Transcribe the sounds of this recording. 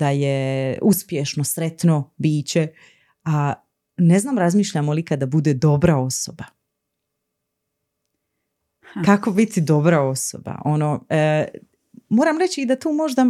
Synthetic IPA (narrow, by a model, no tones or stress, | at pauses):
d̪̥ajeuspjeʃno̞sɾet̪no̞biːt͡ɕe | a | ne̞znaːmɾazmiːʃʎamolikad̪abud̪ed̪o̞bɾao̞so̞ba | kakobit̪id̪o̞bɾao̞so̰ba̰ʔo̞noə | moːɾamɾet͡ɕiːd̪at̪uːmo̞ʒd̪a